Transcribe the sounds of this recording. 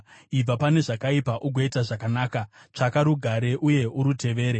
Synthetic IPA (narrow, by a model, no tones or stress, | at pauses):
ib͡vapane̞ʐakaipaʔuɡʱo̞itaʐakanaːka | t͡ʂakaɾuɡʱaɾe̞ʔuje̞ʔuɾutʰe̞ʋe̞ːɾe